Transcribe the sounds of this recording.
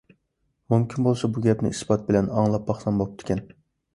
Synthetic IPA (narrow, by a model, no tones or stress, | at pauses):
mumkʲʰinbolˠsɑbuɡʲɛpnɪ̰isbɑt̪̚bɪlɛnɑŋlˠɑp̚ːɑχsɑnbop̚t̪ʰɪ̥kʲɛn